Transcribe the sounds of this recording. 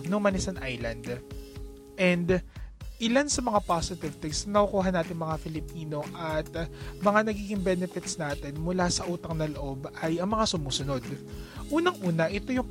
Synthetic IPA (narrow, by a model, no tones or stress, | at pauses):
nʊŋmɐnɪsɐnʔajlɐnd̪ | ʔɛnd̪ʔɪlansɐmɐŋapasɪt̪ɪvt̪ɛksɐnɐkʊkuːɦɐnːaːt̪ɪŋmɐŋafɪlɪpiːno̞ʔɐt̪̚mɐŋanɐɡiːɡɪŋbɛnɛfɪt̪snaːt̪ɪnmʊlasɐʔuːt̪ɐŋnɐloʔo̞bɐjɐŋmɐŋasʊmuːsʊno̞d̪̚ʔuːnɐŋʔuːnɐʔɪt̪o̞jʊŋ